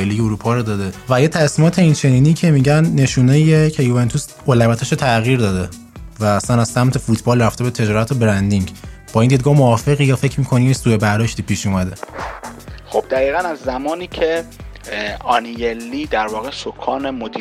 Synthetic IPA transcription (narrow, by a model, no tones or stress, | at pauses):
eliːɟeuɾuːpʰɒːɾod̪ɒːd̪evæjet̪ʰæsmiːmɒːt̪ʰe̞iːnt͡ʃʰe̞niːniːcʰe̞miɟænːe̞ʃuːneiecʰejuve̞nt̪ʰus | olævæt̪ʰæʃot̪ʰæɣiɾd̪ɒːd̪e̞ | væːsænæzsæmt̪ʰe̞fut̪ʰbɒːlræft̪e̞bet̪ʰe̞d͡ʒɒːɾæt̪ʰobeɾænd̪iŋɟb̥ɒːind̪id̪̚ɡɒːhmoɒːfe̞ɣijɒːfe̞cʰmiːkʰoniːjesuːebæɾd̪ɒʃt̪iːpʰiːʃumæd̪e̞ | xob̥̚d̪æɣiːɣænæzːæmɒːniːcʰe | ɒnijelːiːd̪æɾvɒːɣesokʰɒːnemod̪i